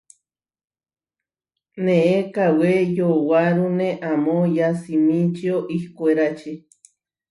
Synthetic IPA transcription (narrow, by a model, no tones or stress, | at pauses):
nẽʔekawejowaɾunẽʔamojasimĩt͡ʃioʔihkʷeɾat͡ʃi